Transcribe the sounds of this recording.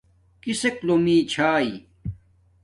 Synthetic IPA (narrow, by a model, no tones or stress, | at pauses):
kiseklomiːt͡ɕʰaːi